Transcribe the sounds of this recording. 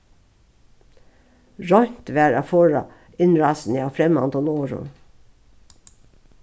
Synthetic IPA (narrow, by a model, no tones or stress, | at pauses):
ɹɔʏt̪ʋæːɹɑːfoːɹɑ̰ | ɪnɹɑːsn̩jɑːfɾɛmɑ̰nd̪ɔnoːɹʊ̰n